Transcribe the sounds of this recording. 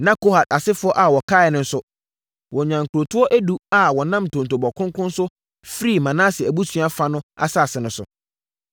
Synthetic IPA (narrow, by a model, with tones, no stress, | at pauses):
nã˦ko˦ha˨da˨sɪ˦fʊ˦ɔ˦ʔa˨wɔ˨kʰa˦ɛ˨nʊ̃˦n̩˦sʊ˦ | wɔ̃˨ɲã˨ŋ̩˨kʰu˨ɾo˨tʰʊ˦ɔ˦ʔæ˦du˦a˨wɔ˨nã˦m˨tʰõ˨n˨t̬o˨bɔ˨kʰʊ̃˦ŋ˦kʊ̃˦n̩˦sʊ˦ | fɾi˦˨mã˨nãː˦sɪ˨æ˨bu˦sʰɥa˦fa˦nʊ̃˦a̰˨saː˦˨sɪ˨nʊ̃˨˦sʊ̰˨